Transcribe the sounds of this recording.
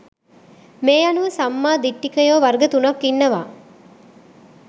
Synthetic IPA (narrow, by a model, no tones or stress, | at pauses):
meːjɐnuʋɐsamːaːd̪iʈːikɐjoːʋɐɾɡɐt̪unɐkːinːɐʋaː